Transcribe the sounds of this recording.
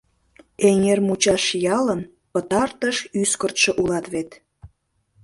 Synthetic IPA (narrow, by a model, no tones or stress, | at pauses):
eŋermut͡ɕɑʃjɑlən | pət̪ɑrt̪əʃyskə̆rt̪ʃə̆ʔulɑt̪βet̪